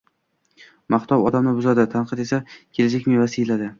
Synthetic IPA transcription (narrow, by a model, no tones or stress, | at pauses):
maht̪ʰɒwɒd̪amnɪbʊzad̪ɪt̪ʰanqʰɨd̪e̞sakʲʰe̞lɪd͡ʒakʲmevasɪɪlad̪ɪ